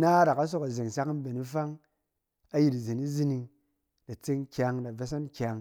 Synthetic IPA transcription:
na˦da˨ka˦s̬o˦ka˨ze˨ŋsa˦km̩˦be˨ni˦fa˦ŋ | a˦ji˨tze˨ni˦zi˦ni˧ŋ | da˨t͡se˦ŋkʲa˧ŋda˨ve˦s̬a˦nkʲa˧ŋ

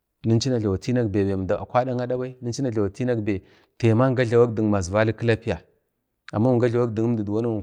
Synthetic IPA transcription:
nə˦n˦i˦na˨ɮa˨wa˨ti˦na˦kbe˨be˨m˨da˨a̰˨kʷa˦da˦ŋa˦da˦ba˦i˦ni˦nt͡ʃi˦na˨ɮa˨wa˨ti˦na˦kbe˨ | te˨ma˦ŋ˦ɡa˦ɮa˨wa˦k̚di˨ŋ˨ma˨zva˦li˦kə˦la˦pi˦a˨ | a̰˨mːa˦wu˨ŋɡa˦ɮa˨wa˦k̚di˨ŋə˦m˦di˨dwa˦nu˦˨

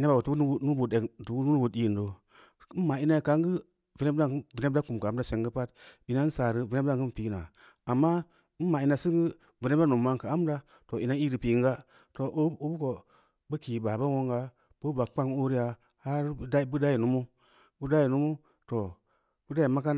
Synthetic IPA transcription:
i˦na˦ba˨o˨tu˨˦nu˦nu˦bu˨e˨tu˨˦nu˦nu˦u˨i˦˨n˨do˨˦ | mːa˨i˦na˦˨ka˨˦ŋɡɨ˦ | vi˨ne˦a˦vi˨ne˦da˦ku˨m˨kːm˦da˦se˨ŋɡɨ˦pa˦ti˨na˦n̩˦saː˨ɾɨ˦vi˨ne˦a˦ŋ˨kɨ˦n˦piː˨na˨ | a˨mːa˦ | ma˨i˨na˨si˦ɡɨ˦ | vi˨ne˦a˦nu˨mːa˦ŋka˨a˦m˦da˦ | to˨ʔi˨na˦i˦ɾɨ˨pi˨˦ŋɡa˦ | to˨ʔu˦bu˦ko˨ | bə˦ki˨ba˨ba˦wo˦ŋɡa˦ | b̥o˦ba˨k͡pa˦ŋ˦o˦ɾi˦ja˨ | ha˦ɾa˦bu˦da˦ji˨nu˦mu˦ | bu˦da˦ji˨nu˦mu˦ | to˨ | bu˦da˦i˨ma˦ka˦n

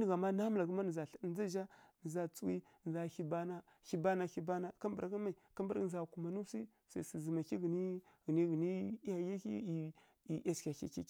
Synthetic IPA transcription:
ni˨ɣa˨ma˦na˦m˦la˨ɡə˦ma˦nə˨za˨ɬza˦ʒa˦nə˨za˦t͡su˦wi˦˨a˨hi˦ba˦na˦ | xi˦ba˦na˦˨i˦ba˦na˦ka˦mba˨ɾɡə˦ma˨i˨ka˦mbə˦ɾza˨ku˨ma˨nu˦si˦ | sa̰˨si˨zi˨ma˨ki˦ɣi˨ni˦ɣi˨ni˦ɣi˨ni˦ja˨ja˦i˦i˨ | i˨e˦skʲa˨kḭ˨kḭ˦k

